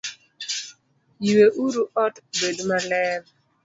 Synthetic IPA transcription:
jiweʔuɾuɔtbedmalɛn

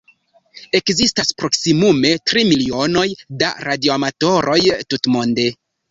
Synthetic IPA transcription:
e̞kzistaspɾo̞ksimume̞tɾimilio̞no̞jda̰ɾadioamato̞ɾʔo̞jtutmo̞nde̞

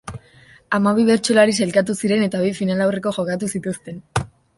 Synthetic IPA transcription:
amaβ̞iβe̞ɾt͡ʃulaɾis̬alkat̪̬usiɾe̞ne̞t̪aβ̞ifinalawre̞ko̞ʝo̞kat̪̬usit̪ust̪e̞n

